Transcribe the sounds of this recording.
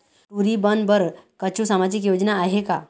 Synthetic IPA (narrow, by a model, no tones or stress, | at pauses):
ʈuɾibənbəɾkət͡ɕusamad͡ʑik̬jod͡ʑnaːɦeka